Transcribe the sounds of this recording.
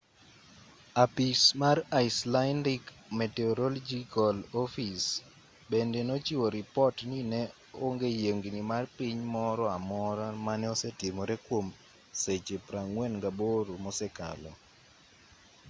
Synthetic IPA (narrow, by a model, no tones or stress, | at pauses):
apismaraɪslandik | mɛtɛoɾɔld͡ʒikɔlɔfis | bendenot͡ʃiwoɾɪpɔtninɛ | oŋɡejeŋɡinimarpiɲmɔɾɔamɔɾamanɛɔsɛtɪmɔɾɛkwom | set͡ʃepɾaŋwɛnŋɡaboɾomɔsɛka̰lɔ̰